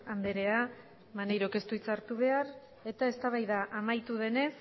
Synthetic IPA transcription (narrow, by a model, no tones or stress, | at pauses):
and̪e̞ɾe̞a | manejɾo̞ke̞st̪uit͡saɾt̪uβ̞e̞aɾ | e̞t̪ae̞st̪aβajðaʔamajt̪uð̞e̞ne̞s